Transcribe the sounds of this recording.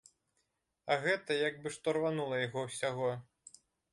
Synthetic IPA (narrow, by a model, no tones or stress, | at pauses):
ɐɣɛt̪ɐjaɡbɨʂt̪ɔrvanulˠɐjaɣɔwsʲaɣɔ